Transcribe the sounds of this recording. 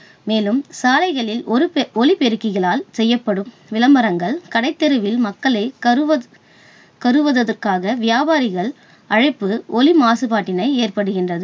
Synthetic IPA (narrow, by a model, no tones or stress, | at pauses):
meːlɯmsaːlɐɪɣɐɭɪlɔɾɯɔlipɛɾɯkːɪɣɐɭaːlsɛjːɐpːɐɽɯm | ʋɪlɐmbɐɾɐŋɡɐɭkɐɽɐɪt̪ːɛɾɯʋɪlmɐkːɐɭɐɪɐ | kɐɾɯʋɐðɐðɐrkaːɣɐʋɪjaːbaːɾɪɣɐɭ | ɐɻɐɪpːɯʔɔlɪmaːsɯpaːʈːɪnɐɪeːrpɐɽɯɣɪndrɐðɯ